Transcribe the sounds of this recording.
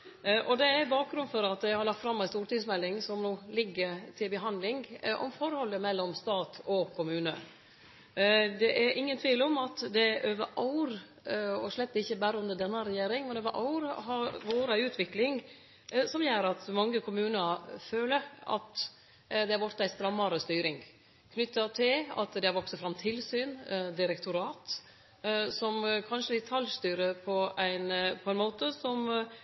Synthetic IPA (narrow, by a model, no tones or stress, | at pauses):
ʔɔd̪ɛæbɑːk̚ɡɾʉnfɔɾɑt̪̚d̪ɛɪhɑɾɭɑk̚t̪fɾɑmːæɪst̪uːɾʈɪŋsmɛlːɪŋsɔmnoːlɪɡːəɾt̪ʰɪlbəɦɑnd̪lɪŋʔɔ̰mfɔɾhɔlːəmɛlːɔmst̪ɑːt̪ʰɔkʰʊmʉːnə̰ | d̪ɛʔæɾʔɪŋːənt̪ʰʋiːlɔmɑt̪d̪ɛʔøːʋəʔɑʊɾ | ɔʂlɛt̪ːəɪçːəbæːɾəʉnd̪əɖ̪ɛnːəɾɛjeːɾɪŋmɛnøːʋəʔɑ̰ʊɾɦɑɾʋoːɾɑʉːt̪ʰʋɪklɪŋ | sɔmjæːɾɑt̪mɑŋːəkʰʊmʉːnəɾføːləɑ̰t̪ | d̪ɛhɑɾʋɔɾt̪ːæɪst̪ɾɑmːɑɾəst̪yːɾɪŋ | kʰnʏt̪ːɑt̪ʰɪlɑ̰t̪d̪ɛɑɾʋɔksɔfɾɑmt̪ʰɪlsyːnd̪ɪɾɛkt̪ʰʊɾɑːt̪ | sɔmkʰɑnʂəd̪ɪt̪ʰɑljst̪yːɾəpʰɔæɪnpʰɔæɪnmoːt̪əsɔm